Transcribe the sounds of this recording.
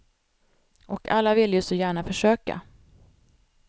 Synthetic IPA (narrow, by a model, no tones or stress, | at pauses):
ʔɔkʰa̰lːavɪlːjɵsɔjæːɳafœʂøːka̰